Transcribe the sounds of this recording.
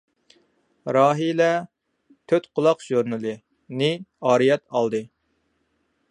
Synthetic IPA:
ɾɑːɦilɛ | t̪ʰøt̪qʰʊlˠɑqʒ̥uɾnɨlˠɨ | nɨɑːɾɨjɛt̪ɑlˠd̪ɨ

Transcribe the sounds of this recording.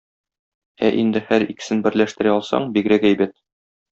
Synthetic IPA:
æʔind̪ɘhæɾikɘ̥̆sɘnbɘ̆ɾlæʃt̪ɘ̆ɾæɒlˠsɑ̰ɴbiɡɾækæjbæt̪̚

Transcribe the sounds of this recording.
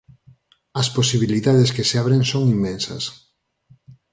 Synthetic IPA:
ɐsposiβiliðaðeskeseaβɾeŋsoŋimːẽnsɐ̰s

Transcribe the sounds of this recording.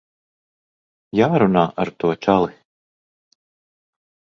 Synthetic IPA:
jaːɾunaːʔaɾt̪uɔt͡ʃalˠi

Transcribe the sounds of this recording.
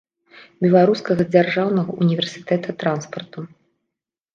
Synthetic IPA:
bʲɛlˠaɾuskɐɣɐd͡zʲarʐawnɐɣɐunʲivʲɛrsʲɨ̥t̪ɛt̪ʰɐt̪ɾanspɐrt̪u

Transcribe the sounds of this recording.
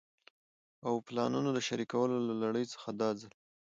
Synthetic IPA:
awplɑnunod̪əʃaɾikawəlolalaɽəjt͡sə̥xad̪ɑd͡zəl

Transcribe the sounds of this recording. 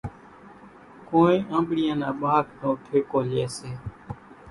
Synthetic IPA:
kõːẽːʔə̃ːmɓɽɪjãːnãːɓaːknõːʈʰeːkoːleːseː

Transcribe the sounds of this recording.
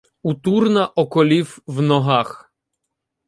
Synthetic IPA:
ut̪urnɐʔɔkɔlʲiwwnɔɦax

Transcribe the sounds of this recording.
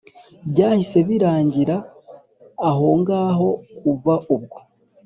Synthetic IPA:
bɟaːhise̞βiɾaːɲɟiɾaː | ɦo̞ŋɡaːɦo̞kuvaʔuβ̚ɡo

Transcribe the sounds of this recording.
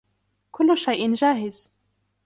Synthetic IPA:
kʊlːʊʃajʔɪnʒaːɦɪz

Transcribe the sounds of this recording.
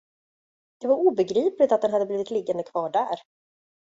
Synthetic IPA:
d̪̥ɛvaɾuːbɛɡɾiːplɪt̪at̪̚d̪ɛnɦad̪ːəbliːvɪt̪lɪɡːand̪əkʰv̥ɑːɖæːɾ

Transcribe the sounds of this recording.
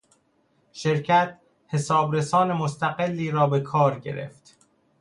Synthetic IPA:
ʃe̞ɾcʰæt̪ | he̞sɒːbɾe̞sɒːne̞most̪ʰæɣelːiːɾɒːbe̞kʰɒːɾɟe̞̰ɾḛft̪

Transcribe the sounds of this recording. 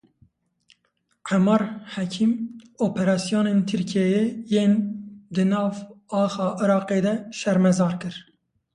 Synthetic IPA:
ʕɛmɑɾhɛkʰimoːpʰɛɾɑːsijoːneːnt̪ʰɨɾkʰɛjejeːnd̪ɨnɑːvɑːxɑːʔɨɾɑːqeːd̪ɛʃɛɾmɛzɑːɾkɨɾ

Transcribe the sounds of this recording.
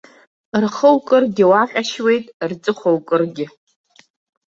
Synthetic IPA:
rχəwkʼɨrɡʲɪwaqʲʼaʃwe̞jtʼrd͡zʼɨχʷowkʼɨrɡʲɪ

